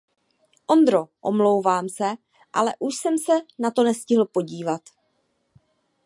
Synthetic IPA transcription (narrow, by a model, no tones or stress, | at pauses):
ʔo̞nd̪ɾo̞ʔomlo̞wvaːmsɛ | ʔa̰lɛʔuʃsɛmsɛnat̪o̞nɛscɪɦl̩po̞ɟiːvat̪